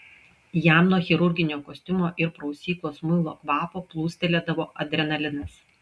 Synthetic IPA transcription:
jæmnoːxʲɪɾʊɾʲɡʲɪnʲoːkoːsʲt̪ʲʊmoːʔɪɾpɾɐʊsʲiːklˠoːsmʊɪlˠo̰ːkʋɑːpoːplˠuːsʲt̪ʲɛlʲeːd̪ɐʋoːʔɐd̪ʲɾʲɛnɐlʲɪnɐs

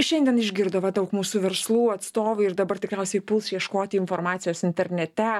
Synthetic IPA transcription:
ʃʲɛnʲd̪ʲiɛnɪʒʲɡʲɪɾd̪ɐʋɐd̪ɐʊkmuːsuʋʲɛɾslˠuːɐt̪st̪oːʋʊɪɾd̪ɐbɐrt̪ʲɪkɾʲɛʊsʲɛɪpʊlˠsjiɛʃkoːt̪ʲɪɪnfoːɾmɑːt̪sʲɪjoːsɪnʲt̪ʲɛɾʲnʲɛt̪ʲɛ

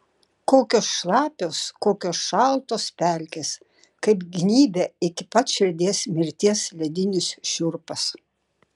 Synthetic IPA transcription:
koːkʲoːsʃlˠɑːpʲoːskoːkʲoːsʃɑlˠt̪oːspʲælʲkʲes | kɐɪpɡʲnʲiːbʲɛɪkʲɪpɐt̪ʃʲɪɾʲd̪ʲeːsmʲɪɾʲt̪ʲiɛslʲɛd̪ʲɪnʲɪsʃʲʊɾpɐs

